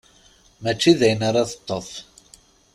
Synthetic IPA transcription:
mæt͡ʃːiðæjənaɾˤɑθə̥t̪ˤːəθ

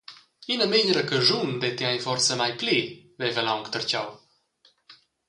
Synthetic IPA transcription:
inəmeɲəɾəkəʒund̪ɛt̪iajfɔrt͡səmajplivɛvəlawŋkt̪əɾt͡ɕaw

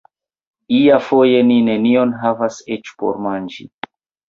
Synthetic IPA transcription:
iafo̞je̞nine̞nio̞nɦavaset͡ʃpo̰ɾmand͡ʒḭ

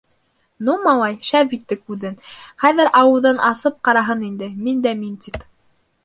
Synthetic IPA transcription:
numɑlˠɑjʃævbit̪ːɘkʉðɘnχæðɘɾʔɑwɤ̆ðɤnʔɑsɤp̚qɑɾɑɦɤnind̪ɘmind̪æmint̪ip

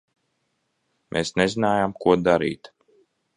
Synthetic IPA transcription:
mʔeːsnezinaːjamkuɔd̪aɾḭːt̪

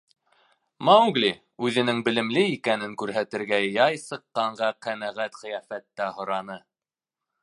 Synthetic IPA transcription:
mɑwɡli | ʉðɘ̆nɘŋbɘ̆lɘ̆mlɘikænɘŋkʉɾɦæt̪ɘ̆ɾɡæjɑjsɤ̆qːɑɴɢɑqænæʁæt̪χɘ̆jæfæt̪ːæhŏɾɑnɤ

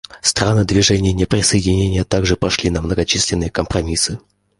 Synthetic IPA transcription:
st̪ɾanɨd̪vʲɪʐɛnʲɪjənʲɪpɾʲɪsəjɪdʲɪnʲenʲɪjət̪aɡʐɨpɐʂlʲinəmnəɡɐt͡ɕisʲlʲɪnːɨjəkəmpɾɐmʲisɨ

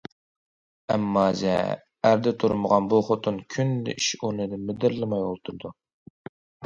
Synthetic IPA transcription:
ɛmːɑzɛ̰ | æɾd̪ɛt̪ʰuɾməʁɑnbuχot̪ʰunkʲʰynlɪ̰ʔiʃonɨd̪ɪmɪd̪ɪɾlˠɨmɑjolˠt̪ʰuɾd̪u

